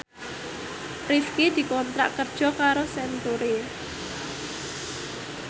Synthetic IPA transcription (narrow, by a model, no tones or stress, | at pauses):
rifked̪̥i̤kɔnt̪ɾa̰ʔkərd̥ʒ̥ɔ̤kaɾosɛnt̪uɾe